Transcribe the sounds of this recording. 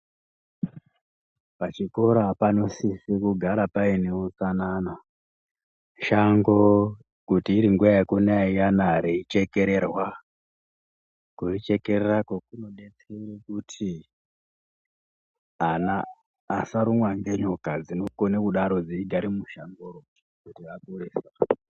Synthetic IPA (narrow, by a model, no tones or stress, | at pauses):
pat͡ʃiko̞ɾapano̞sisikuɡʱaɾapaine̞ut͡sanana | ʃaŋɡo | kutiːɾiŋɡuaekunaijanaɾeit͡ʃe̞ke̞ɾe̞rwa | kuit͡ʃe̞ke̞rerakokuno̞ɗet͡seiɾekutʰi | anaː | saɾumwaŋɡe̞ɲokad͡zino̞konekuɗaɾo̞d͡ziiɡʱaɾimuʃaŋɡoro | kutiakureːsa